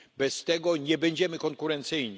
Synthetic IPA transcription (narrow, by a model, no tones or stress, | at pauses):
bɛst̪ɛɡɔɲɛbɛɲd͡ʑɛmɘkɔŋkuɾɛnt̪sɘjɲi